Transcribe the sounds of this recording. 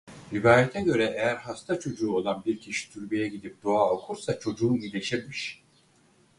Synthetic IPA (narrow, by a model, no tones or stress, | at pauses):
ɾivaːjɛt̪ʰɛɟø̞ɾɛʔejæɾhast̪ʰat͡ʃʰo̞d͡ʒuːo̞lˠanbiɾcʰiʃi̥t̪ʰyɾbijɛɟid̪ip̚d̪̥o̞aokʰuɾsat͡ʃʰo̞d͡ʒuːnid̪ʲe̞ʃiɾmiʃ